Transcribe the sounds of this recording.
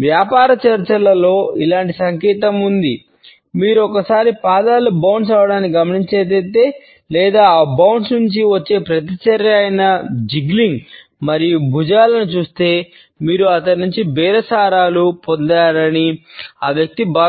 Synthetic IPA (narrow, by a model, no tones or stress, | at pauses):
ʋjaːpaːɾɐt͡ʃɐɾt͡ʃɐlɐlo̞ːilaːɳʈisɐŋkɛːt̪ɐmund̪i | miːɾuɔkɐsaːɾipaːd̪aːlubɐwɳɖs̬aːʋɐɽaːnikiɡɐmɐniɲt͡ʃeːt̪̬ɐːt̪e̞ː | lɛːd̪aːbɐwnsnuɲt͡ʃiʋɐt͡ʃːe̞ːpɾɐt̪̬it͡ʃɐɾjɐːjɐnɐd͡ʒiɡliŋɡ | mɐɾijubʱud͡ʒaːlɐnut͡ʃuːst̪e̞ː | miːɾuɐt̪ɐɽnuɲt͡ʃibɛːɾɐsaːɾaːlupond̪aːɾɐniaːʋjɐk̚t̪ibaː